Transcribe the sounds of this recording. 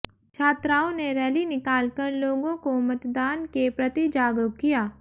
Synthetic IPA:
t͡ʃʰaːt̪ɾaːõneɾɛːlinɪkaːlkəɾloːɡõkomɐt̪d̪aːnkepɾɐt̪id͡ʒaːɡɾʊk̚kːijaː

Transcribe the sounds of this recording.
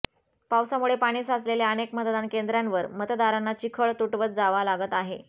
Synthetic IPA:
pawsamuɭepaɽ̃iːsasleljaənekmət̪d̪ankend̪ɾjanʋəɾmət̪d̪aɾanːat͡ɕikʰəɭt̪uʈʋət͡sd͡zaʋalaɡət̪aɦḛ

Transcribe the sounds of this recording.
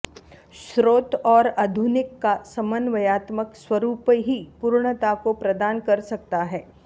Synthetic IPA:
ʃɾoːt̪ɔːɾɐd̪ʱʊnɪkːasɐmənʋɐjaːt̪məkswɐɾuːpɦipuːɾɳ̃ət̪akopɾɐd̪aːnkɐɾsɐk̚t̪aɦɛː

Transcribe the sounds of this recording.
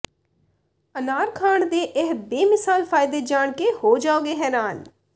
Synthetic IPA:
ənaːɾkʰaːɳd̪eːʔɪɦbeːmɪsaːlpʰaːɪd̪eːd͡ʒaːɽkehoːd͡ʒaːoːɡeːɦɛːɾaːn

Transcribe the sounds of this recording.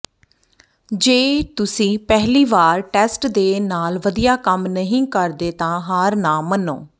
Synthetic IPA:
d͡ʒeːt̪ʊsĩːpɛɦliːʋaːɾʈɛːsʈd̪eːnaːlʋəd̪ijaːkəmnəɦĩːkəɾd̪eːt̪ãːɦaːɾnãːməno̰ː

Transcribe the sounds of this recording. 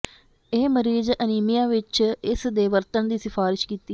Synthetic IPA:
eːməɾiːzəniːmijaːʋɪt͡ʃɪsd̪eːʋəɾt̪ənd̪iːsɪfʰaːɾɪʃkiːt̪iː

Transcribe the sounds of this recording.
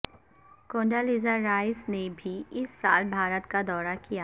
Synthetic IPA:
kõːɳɖaliːzəɾːaːɪsnebʱiɪsːaːlbʱaːɾət̪kad̪ɔːɾakija

